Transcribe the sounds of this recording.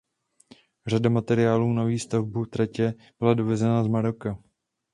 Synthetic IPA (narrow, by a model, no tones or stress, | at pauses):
r̝adamat̪ɛɾɪjaːluːnoviːst̪avbut̪ɾɛcɛ | b̥ɪladovɛzɛnazmaɾo̞ka